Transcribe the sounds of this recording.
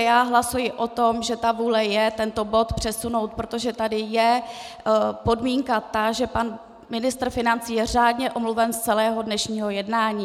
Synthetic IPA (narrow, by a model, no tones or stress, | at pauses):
jaːɦlasujɪʔo̞t̪o̞mʒɛt̪avuːlɛjɛt̪ɛnt̪o̞bo̞t̪pr̝̥ɛsuno̞wt̪̚pɾot̪oʒɛt̪adɪjɛ | po̞dmiːŋkat̪aʒɛpan | mɪnɪst̪r̩fɪnant͡siːjɛraːdɲɛʔomluvɛnst͡sɛlɛːɦo̞dnɛʃɲiːɦo̞jɛdnaːɲiː